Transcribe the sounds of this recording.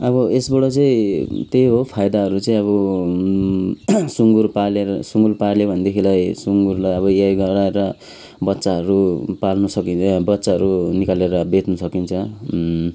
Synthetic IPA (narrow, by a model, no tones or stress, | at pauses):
ʌβʌesbʌɽʌt͡saĩt̪ejɦopʰajd̪aɦʌɾut͡saĩʌβʌ | suŋɡurpalesuŋɡurpaljebʱʌnd̪ekʰilajsuŋɡurlajʌβʌjajɡʌɾaeɾʌ | bʌtːsaɦʌɾupalnusʌkinbʌtːsaɦʌɾunikaleɾʌbet̪nusʌkint͡sʰʌ